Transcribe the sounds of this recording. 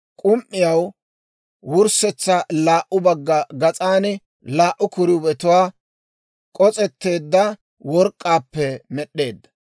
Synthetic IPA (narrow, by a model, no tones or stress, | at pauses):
kʼʊmʔɪjɐw | wʊɾsɛt͡sːɐlaːʔʊbɐɡːɐɡɐt͡sʼaːnɪ | laːʔːʊkʊɾɪʊbɛt̪ʊwaː | kʼɔt͡sʼɛt̪ːe̞ːd̪ːɐ | wɔɾkʼːaːpːɛmɛɗːe̞ːd̪ːɐ